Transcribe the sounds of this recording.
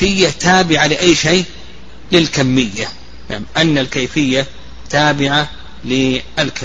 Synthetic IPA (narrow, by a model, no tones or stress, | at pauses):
ɪjːat̪aːbɪʕalɪʔajːʃeː | lɪlkamːɪjːa | naʕmʔanːalkaːfɪjːa | t̪aːbɪʕa | lɪɪlk